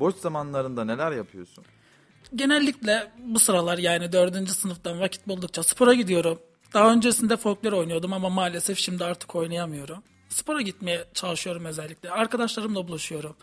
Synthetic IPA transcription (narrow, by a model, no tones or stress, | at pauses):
bot͡ʃz̥amanlˠaɾɯnd̪ane̞lʲæɾjapʰɯjo̞sun | ɟe̞nɛlʲːiclʲɛbusɯɾalˠaɾjaːnid̪ø̞ɾd̪ynd͡ʒysɯnɯfd̪anvacʰi̥t̪̚bulˠd̪uk̚t͡ʃʰasɯ̥pʰo̞ɾaɟid̪ijo̞ɾum | d̪̥aɦaø̞nd͡ʒeisind̪ɛfo̞lklʲeɾo̞jnujo̞d̪umamamaːlʲe̞sɛfʃimd̪iaɾt̪ʰɯ̥kʰo̞jnajamɯjo̞ɾum | sɯ̥pʰo̞ɾaɟit̪me̞jɛt͡ʃʰalˠɯʃɯjo̞ɾumø̞zɛlʲːicʲlʲɛaɾkad̪aʃlˠaɾɯmlˠabulˠuʃujo̞ɾum